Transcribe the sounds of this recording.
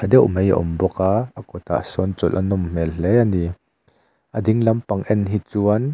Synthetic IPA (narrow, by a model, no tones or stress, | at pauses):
ɐd̪ɛwmeja̰ʔɔ̰mbɔkaːɐkɔt̪a̰ʔsɔnt͡sɔlʔɐnɔmm̥ɛllɛjani | ʔɐd̪ɪŋlɐmpɐŋʔɛnɦit͡suɐn